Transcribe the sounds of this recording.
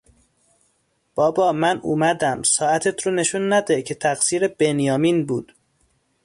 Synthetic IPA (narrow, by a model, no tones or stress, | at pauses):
b̥ɒːbɒːmænṵːmæd̪æmsɒːæt̪ʰet̪ʰɾone̞ʃunːæd̪ecʰe̞t̪ʰæɣsiːɾeb̥enjɒːmiːnbuːd̪̥